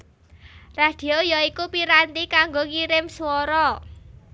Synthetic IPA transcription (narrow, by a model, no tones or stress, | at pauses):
rad̪̥i̤ojɔikupiɾant̪ikaŋɡokiɾɪmswɔɾɔ